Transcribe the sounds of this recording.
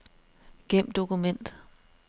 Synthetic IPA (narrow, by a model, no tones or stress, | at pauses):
ɡ̥em̰d̥o̝kumen̰d̥